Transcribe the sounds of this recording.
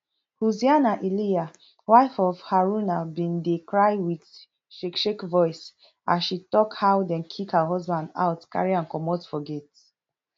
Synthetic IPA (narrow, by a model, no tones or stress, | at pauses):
huzianaʔilia | waɪfɔfhaɹunabĩndekɹaɪwid | ʃekʃekvɔɪs | aʃitɔkhawdɛ̃nkʰikhəɦɔzbãnda̰ʊtka̰ɹiãnkɔmɔtfɔɡɛt